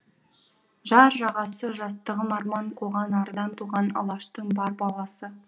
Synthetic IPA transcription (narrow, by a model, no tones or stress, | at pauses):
ʒɑɾʒɑʁɑsəʒɑst̪əʁəmɑɾmɑɴqʰoʁɑnɑɾəd̪ɑnt̪ʰuʁɑnɑ̰lˠɑʃt̪əɴbɑɾbɑlˠɑsə